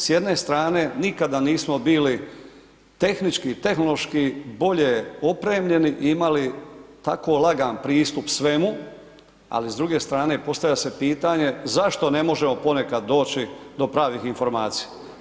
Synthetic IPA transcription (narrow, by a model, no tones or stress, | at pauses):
sje̞d̪ne̞st̪ɾaːne̞nikad̪aniːsmo̞biːli | t̪e̞xnit͡ʃkit̪e̞xnolo̞ʃkibo̞ʎe̞opɾe̞ːmʎe̞niʔiimalit̪a̰ko̞lˠaɡanpɾiːst̪upsʋe̞mu | a̰lizd̪ɾuɡe̞st̪ɾaːne̞po̞st̪aʋjʎase̞piːt̪aɲe̞zaʃt̪o̞ne̞mo̞ʒe̞mo̞po̞ne̞kad̪ːo̞ːt͡ɕid̪o̞pɾaːʋixinfo̞ɾmaːt̪sija